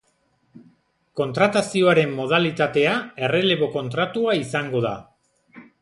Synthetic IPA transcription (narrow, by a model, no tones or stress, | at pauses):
ko̞nt̪ɾat̪asio̞aɾe̞mːo̞ðalit̪at̪e̞ae̞re̞le̞βo̞ko̞nt̪ɾat̪uaisaŋɡo̞ð̞a̰